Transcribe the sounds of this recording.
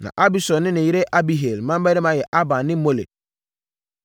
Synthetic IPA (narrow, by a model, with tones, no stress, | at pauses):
nã̰˨ʔa˦bi˦sɔ˨nːɪ̃˦nɪ̃˨ji˦ɾe˦ʔa˦bi˦ɦe˨lmã˦m˦bæ˦ɾɪ̃˦mã˨jɛ˨ʔa˦bã˨nnɪ̃˦mo˦lḛ˨t̚